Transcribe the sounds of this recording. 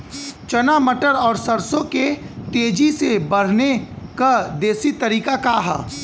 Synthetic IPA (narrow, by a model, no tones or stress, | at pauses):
t͡ʃɐnamɐʈəɾɔːɾsɐɾsõke | t̪eːd͡ʒisebɐɽ̤ne | kad̪eːsit̪ɐɾiːkakaɦa̰